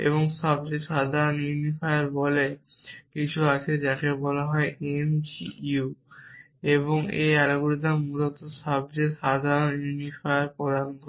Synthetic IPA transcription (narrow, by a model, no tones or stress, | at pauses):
ḛβoŋʃɔb̚d͡ʑeʃad̪ʱaɾonjunifajaɾbɔle | kit͡ɕʰuat͡ɕʰed͡ʑakebɔlaɦɔeʔemd͡ʑiu | eβoŋḛɛloɡuɾit̪amulot̪oʃɔb̚d͡ʑeʃad̪ʱaɾonjunifʰajaɾpɔɾanɡo